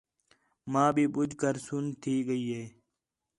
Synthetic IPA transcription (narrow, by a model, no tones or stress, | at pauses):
maːbibud͡ʑkɐɾsunt̪ʰiːɡəiːeː